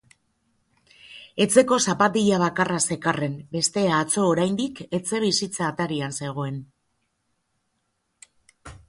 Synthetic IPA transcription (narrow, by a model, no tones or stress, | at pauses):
e̞t͡se̞ko̞sapat̪iʎaβ̞akarase̞kare̞mbe̞st̪e̞aːt͡so̞ːɾajnd̪ike̞t͡se̞β̞isit͡saːt̪aɾianse̞ɣ̞o̞e̞n